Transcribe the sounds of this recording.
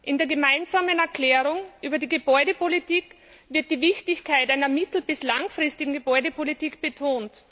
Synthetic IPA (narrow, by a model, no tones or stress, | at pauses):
ʔɪndeːɐɡemaɪnzaːmənɛɐklɛːʁʊŋʔyːbɐdiːɡəbɔʏɾəpolitiːk | vɪɐt̚d̥iːvɪçtɪçkʰaɪtaɪnɐmɪtl̩b̥ɪslaŋfʁ̥ɪstɪɡŋ̩ɡəbɔʏdəpʰolitiːkb̥ətʰoːnt